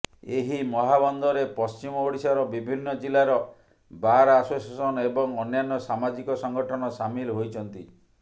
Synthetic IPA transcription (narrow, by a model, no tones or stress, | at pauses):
eɦimɔɦabɔnd̪ʱɔɾepɔst͡ʃimɔoɽisaɾɔbibʱinːɔd͡ʒilaɾɔ | baɾasosasɔnɔebɔŋɔnjanːɔsamad͡ʒikɔsɔŋɡɔʈʰɔnɔsamilɦojt͡ʃʰɔnt̪i